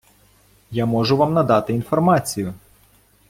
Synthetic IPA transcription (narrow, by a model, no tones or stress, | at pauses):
jamɔʒʊʋamnɐd̪ɑt̪ɪinfɔrmɑt͡sʲijʊ